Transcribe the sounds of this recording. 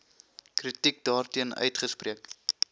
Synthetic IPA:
kritik̚dɑːrtiənœ̰ɥtχəsprʔiək

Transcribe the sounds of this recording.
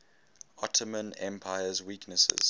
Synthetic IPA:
ʔɔtʰəmə̃nɛ̰̃mpʰaɪəzwiːˑknəsə̰z̥

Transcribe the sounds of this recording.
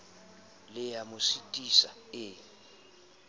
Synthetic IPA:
lɪjamʊsitʼisaɪ

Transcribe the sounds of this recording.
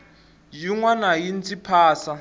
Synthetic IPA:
jiŋwanajint͡sʼipʰaːsa

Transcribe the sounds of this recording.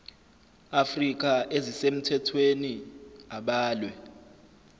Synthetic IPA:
afrik̬aʔezisem̩tʰɛtʰweniaɓaːlwɛ

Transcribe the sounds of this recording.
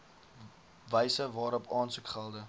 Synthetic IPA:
vəjsəvɑːɾɔpʰɑːnsukχəlˠdə

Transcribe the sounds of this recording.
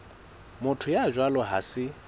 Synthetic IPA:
mʊtʰʊjad͡ʒwalɔɦa̰sɪ

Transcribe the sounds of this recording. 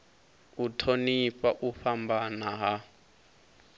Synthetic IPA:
utʰoniɸaʔuɸambanaɦa

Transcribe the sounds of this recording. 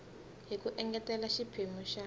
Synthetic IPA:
ɦikuʔɛŋɡɛtɛlaʃipʰemuʃa

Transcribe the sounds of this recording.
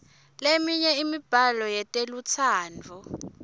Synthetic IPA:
lemiɲɛimib̥ʱalɔjɛtʼelut͡sʰaːnd͡vʱɔ

